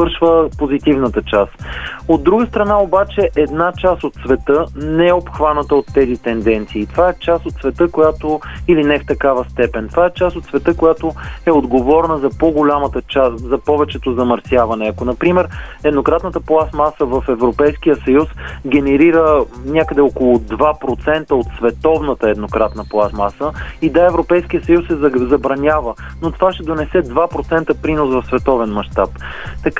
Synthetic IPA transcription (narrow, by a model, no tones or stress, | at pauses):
ɤɾʃvəpozit̪ivnət̪ət͡ʃast̪od̪ːɾuɡəst̪ɾɐnaobat͡ʃɛʔɛd̪nat͡ʃast̪ot̪svɛt̪ɤnɛɛopxvanət̪əot̪ːɛzit̪ɛnd̪ɛnt̪siːt̪ovaɛt͡ʃast̪ot̪svɛt̪ɤkojat̪oilinɛft̪ɐkavəst̪ɛpɛnt̪ovaɛt͡ʃast̪ot̪svɛt̪ɤkojat̪oɛod̪ɡovɔɾnəzɐpoɡolʲamət̪ət͡ʃaszɐpɔvɛt͡ʃɛt̪ozɐmɐɾsjavɐnɛɐkonɐpɾimɛɾɛd̪nokɾat̪nət̪əplˠasmasəvəfɛvɾopɛjsk̟ijəsɐjusɡʲɛnɛɾiɾənʲakəd̪ɛɔkolˠʊd̪vapɾot̪sɛnt̪əot̪svɛt̪ɔvnət̪əɛd̪nokɾat̪nəplˠasmasəid̪aɛvɾopɛjskiəsɐjusɛzzɐbɾɐnʲavə | not̪ovaʃt̪ɛd̪onɛsɛd̪vapɾot̪sɛnt̪əpɾinosvɐfsvɛt̪ɔvɛnmɐʃt̪ap | t̪ɐk